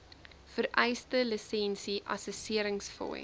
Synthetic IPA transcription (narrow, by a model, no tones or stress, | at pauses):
fəɾʔɛjstələsɛnsiʔɐ̰səsiəɾəŋsfɔ̰